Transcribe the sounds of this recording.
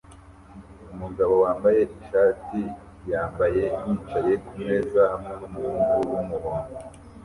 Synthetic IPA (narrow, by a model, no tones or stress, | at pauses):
umuɡaβo̞waːmbaje̞ʔiʃaːti | jaːmbaje̞jit͡ʃaje̞kumŋe̞ːzahamŋenumuɾuːŋɡuwumuhoːŋɡo